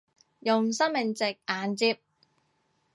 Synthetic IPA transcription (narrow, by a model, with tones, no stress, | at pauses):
jʊ˨ŋsɐ˥mɪ˨˩ŋt͡sɪ˨k̚ʔaː˨nt͡siː˧p̚